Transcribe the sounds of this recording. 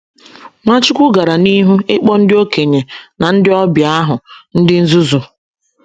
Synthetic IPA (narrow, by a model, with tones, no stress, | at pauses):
ŋʷa˦t͡ʃɪ˦kʷʊ˦ɡa˨ɾa˨ni˦ɦu˦ɪ˦k͡pɔ˦n̩˦dɪ˦o˦ke˨ɲe˨na˨n̩˦dɪ˦ɔ˦bja˦ɦʊ˨n̩˦dɪ˦n̩˦zu˦zu˨